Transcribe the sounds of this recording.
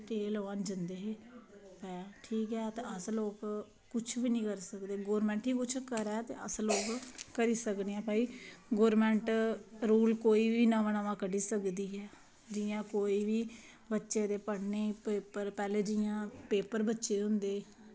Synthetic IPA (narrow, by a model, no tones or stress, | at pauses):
ʈeːlaːnd͡ʒənd̪eːɦeːpɛːaʈʰiːkɦɛːt̪eːəsloːk | kʊt͡ʃʰʋiːnĩːkəɾsəkd̪eːɡoːɾmɛ̃ːɳʈɦiːkʊt͡ʃʰkəɾɛːt̪ḛːə̰sloːkkəɾiːsəkneːɦɛːpaːiːɡoːɾmɛ̃ːɳʈɾuːlkoːiːʋiːnaʋənaʋãːkəɖiːsəkd̪iːɦɛː | d͡ʒɪjãːkoːiːʋiː | bətːʃeːd̪eːpəɽneːpeːpəɾpɛːleːd͡ʒɪjãːpeːpəɾbətːʃeːɦʊnd̪eː